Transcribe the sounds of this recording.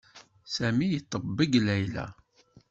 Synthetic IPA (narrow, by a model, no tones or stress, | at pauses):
sæmijət̪ˤːəbːəɡlæjlæ̰